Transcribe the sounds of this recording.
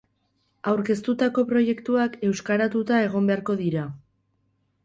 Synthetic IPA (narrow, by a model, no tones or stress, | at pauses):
awɾke̞st̪ut̪ako̞pɾo̞je̞kt̪uake̞wskaɾat̪ut̪ae̞ɣ̞o̞mbeaɾko̞ðiɾa